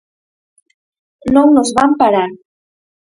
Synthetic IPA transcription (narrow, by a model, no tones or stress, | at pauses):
nownozβampaɾa